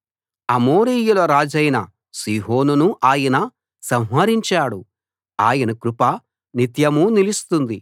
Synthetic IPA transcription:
ɐmoːɾijulɐɾaːd͡ʒɐjnɐ | siːɦoːnunuʔaːjɐnɐ | sɐmɦɐɾiɲt͡ʃaːɽu | a̰ːjɐnɐkɾupɐ | nit̪jɐmunilist̪und̪i

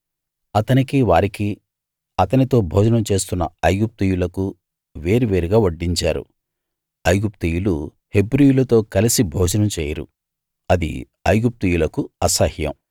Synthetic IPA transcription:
ɐt̪ɐnikiʋaːɾiki | ɐt̪ɐnit̪o̞ːbʱɔːd͡ʒɐnɐmt͡ʃe̞ːst̪unːɐ̰ɐjɡup̚t̪ujulɐku | ʋe̞ːɾiʋe̞ːɾiɡaːʋɐɖːiɲt͡ʃaːɾṵ | ɐjɡupt̪ijulu | he̞bɾijulɐt̪o̞ːkɐlisibʱɔːd͡ʒɐnɐmt͡ʃɛːjɐɾṵ | ɐd̪ḭ | ɐjɡup̚t̪ujulɐkuɐsɐhjɐ̰m

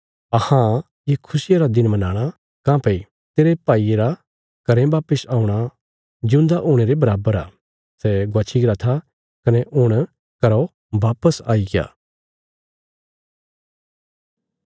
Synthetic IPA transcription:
ɐhã | jekʰʊsɪjaɾad̪ɪnmɐnaːɽ̃a | kãːpɐi | t̪eːɾepaːieɾa | kɐɾɛ̃baːpəsaːuɽ̃a | d͡ʒɪʊ̃nd̪aʔoːɽ̃eːɾebɐɾaːbəɾaː | sɛɡwaːt͡ʃʰiɡɾat̪ʰa | kɐnɛʔʊɽ̃ | kɐɾo | ʋaːpəsa̰ːiɡja̰ː

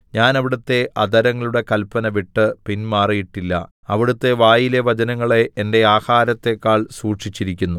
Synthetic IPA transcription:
ɲaːnɐʋiɽut̪ːe̞ʔɐd̪ʱɐɾɐŋːɐɭuɽe̞kɐlpɐnɐʋiʈːɨpinmaːrijiʈːilːɐ̰ | ɐʋiɽut̪ːe̞ʋaːjile̞ʋɐd͡ʑɐnɐŋːɐɭeʔːnde̞aːhaːɾɐt̪ːe̞kːaːɭsuːʈʂit͡ɕːiɾikʲːunːu

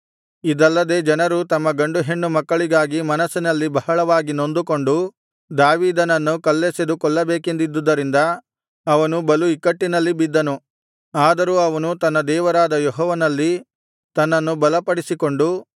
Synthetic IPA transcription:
id̪ɐlːɐd̪e̞ːd͡ʒɐnɐɾut̪ɐmːɐɡɐɳɖuɦe̞ɳːumɐkːɐɭiɡaːɡimɐnɐsːinɐlːibɐhɐɭɐʋaːɡino̞nd̪uko̞ɳɖu | d̪aːʋiːd̪ɐnɐnːukɐlːeːsed̪ukɔɭːɐbeːkend̪id̪ːud̪ːɐɾind̪ɐ | ɐʋɐnubɐluikːɐʈːinɐlːibid̪ːɐnu | aːd̪ɐɾuːɐʋɐnut̪ɐnːɐd̪ɛːʋɐɾaːd̪ɐjɔɦɔːʋɐnɐlːi | t̪ɐnːɐnːubɐlɐpɐɽisiko̞ɳɖu

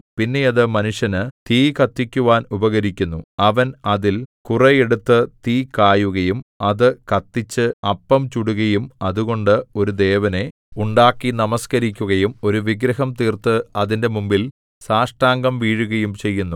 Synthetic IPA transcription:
pinːe̞jɐðɨmɐnuʂjɐnɨt̪iːkɐt̪ːikʲːuʋaːnubɐɣɐɾikʲːunːuɐʋɐnɐðilkurɐjeɽut̪ːɨt̪iːkaːjuɣɐjumɐðɨkɐt̪ːit͡ɕːɨɐpːɐmt͡ɕuɽuɣɐjumɐðuɣo̞ɳɖɨo̞ɾud̪e̞ːʋɐne̞ | uɳɖaːkːinɐmɐskɐɾikʲːuɣɐjumo̞ɾuʋiɡɾɐɦɐmt̪iːrt̪ɨɐðinde̞mumbil | saːʂʈaːŋɡɐmʋiːɻuɣɐjumt͡ɕe̞jːunːu

